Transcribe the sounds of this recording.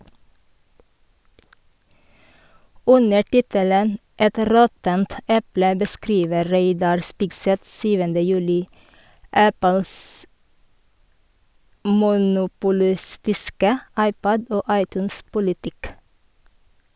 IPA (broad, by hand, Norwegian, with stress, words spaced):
ˈʉnə ˈʈɪtələn ˈɛt ˈɾɔtənt ˈɛplə bəˈskɾiːʋə ˈɾeɪdɑɾ ˈspɪɡˌsɛθ ˈsyːʋəndə ˈjʉːlɪ ˈæpəls mʊnʊpʊˈlɪstɪskə ˈɑɪˌpɔd ˈoː ˈɑɪˌtʉːnˌspʊlɪtɪk